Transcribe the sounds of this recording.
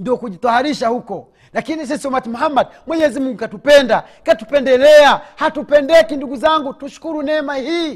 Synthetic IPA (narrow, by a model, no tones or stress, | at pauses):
ndiɔkuʄitɔhaɾiʃahukɔ | lakinis̬isiɔmatimuɦambadmwɛɲɛzimuŋɡukatupɛnda | katupɛndɛlɛahatupɛndɛkinduɡuzaŋɡutuʃu̥kuɾunɛmahiː